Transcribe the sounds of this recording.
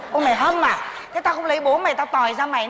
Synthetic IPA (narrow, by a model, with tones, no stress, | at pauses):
ʔo˧ma˨˩jɦə˧mmaː˨˩ | t̪ʰe˨˦t̪aː˧kʊ̰˨˧˥ŋ͡mli˨˦ɓu˨˦nma˨˩jt̪aː˧t̪ɔ˨˩jzaː˧ma̰˧˨j